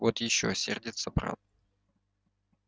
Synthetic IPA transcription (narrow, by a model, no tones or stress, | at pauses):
vot̪jɪɕːosʲḛrdʲɪt̪səbɾa̰t̪̚